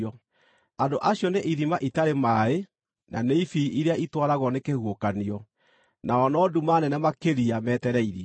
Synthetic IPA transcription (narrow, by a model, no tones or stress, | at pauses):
ɔ | andoʔaɕjɔneʔiðimaʔitaɾemae | nʔa̰neifiiɾeaʔitwaɾaɣɔnekehwokaniɔ | naɔnɔːdumanɛnɛmakeɾiamɛtɛɾɛiɾi